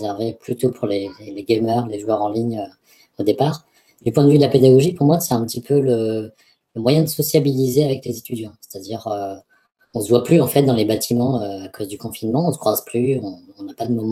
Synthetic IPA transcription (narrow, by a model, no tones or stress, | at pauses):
zɛʁveplyt̪opʰuʁleleleɡemœʁleʒuwœʁɑ̃liɲø | od̪epaʁ | d̪ypwɛ̃d̪əvyd̪əlaped̪aɡɔʒipuʁmwasɛ̥t̪ɛ̃pət̪ipʰølə | ləmwajɛ̃d̪əsɔsjabilizeavɛklezet̪ʰyd̪jɑ̃se̥t̪ad̪iʁø | ɔ̃səvwaplyɑ̃fɛt̪̚d̪ɑ̃lebat̪ʰimɑ̃øakʰozd̪ykɔ̃finmɑ̃ɔ̃sə̥kχwazplyɔ̃ːnapad̪əmɔm̃